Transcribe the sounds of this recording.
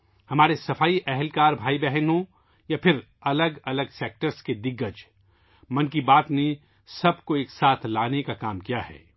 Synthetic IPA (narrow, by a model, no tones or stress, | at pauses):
hɐmaːɾesɐfaːiʔɛɦɛlkaːɾbʱaːibɛɦənɦõ | japʰɪɾ | ɐləɡɐləɡseːk̚ʈəɾsked̪ɪɡːəd͡ʒ | mɐnkibaːt̪ne | sɐbkoeːksaːt̪ʰlaːnekakaːmkijaɦɛ̰ː